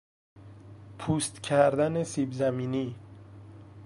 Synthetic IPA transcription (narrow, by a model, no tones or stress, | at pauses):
pʰuːst̪cʰæɾd̪ænesiːbzæmiːniː